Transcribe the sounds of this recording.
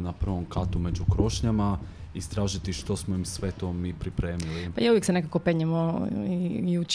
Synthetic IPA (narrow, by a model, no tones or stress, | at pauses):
napr̩ʋo̞mkat̪ume̞d͡ʑukɾo̞ʃɲama | ist̪ɾaːʒit̪iʃt̪o̞smoimsʋe̞t̪o̞mipɾipɾeːmilipajaujeksenekakopeɲemoiiut͡ʃ